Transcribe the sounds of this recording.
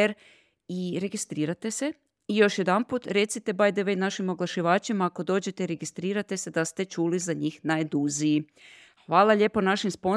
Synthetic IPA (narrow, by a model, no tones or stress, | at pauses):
eɾ | iɾe̞ɡist̪ɾiːɾat̪e̞se̞ | ijo̞ʃje̞d̪anput̪ɾe̞t̪sit̪e̞bajd̪eʋe̞jnaʃimo̞ɡlˠaʃiʋaːt͡ʃimaːko̞d̪o̞ːd͡ʑe̞t̪e̞iɾe̞ɡist̪ɾiːɾat̪e̞se̞d̪ast̪e̞t͡ʃuːlizaɲiːxnajd̪uziji | xʋaːlˠaʎe̞ːponaʃimspo̞